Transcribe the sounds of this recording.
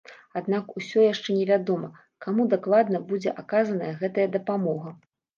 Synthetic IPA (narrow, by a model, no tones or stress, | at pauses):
ad̪nakusʲɔjaʂt͡ʂɛnʲɛvʲad̪ɔmɐ | kamud̪aklˠad̪nɐbud͡zʲɛ̰ʔakazɐnɐjɐɣɛt̪ɐjɐd̪ɐpamɔɣɐ